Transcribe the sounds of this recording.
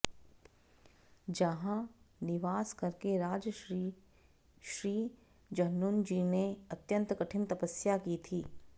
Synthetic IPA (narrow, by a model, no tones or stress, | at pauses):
d͡ʒɐɦãnɪʋaːskɐɾkeɾaːd͡ʒ | ʃɾiː | d͡ʒɐɦnuːnd͡ʒiːneɐt̪jə̃nt̪kɐʈʰɪmt̪ɐpəsjakit̪ʰiː